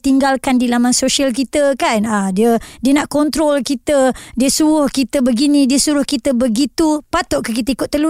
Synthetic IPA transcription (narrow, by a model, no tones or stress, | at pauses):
t̪iŋɡalkandilamansosialkit̪əkanadiədiənaʔkɔnt̪ɾɔlkit̪ədiəsuɾʊhkit̪əbəɡinĩdiəsuɾʊhkit̪əbəɡit̪upat̪ɔʔkəkit̪əikʊt̪̚ːəlu